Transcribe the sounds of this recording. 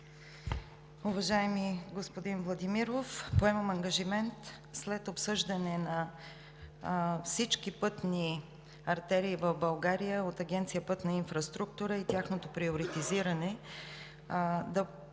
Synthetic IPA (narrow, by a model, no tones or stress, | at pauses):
uvɐʒaɛmiɡospod̪invlˠɐd̪imiɾofpoɛmɐmɐŋɡɐʒimɛnt̪ | slɛt̪opsɤʒd̪ɐnɛnɐ | fsit͡ʃkipɤt̪ni | ɐɾt̪ɛɾiːvɐvbɐlˠɡaɾijəot̪ɐɡʲɛnt̪sijəpɤt̪nɐinfɾɐst̪ɾuk̚t̪uɾəit̪ʲjaxnot̪opɾioɾit̪iziɾənɛ | d̪ɐ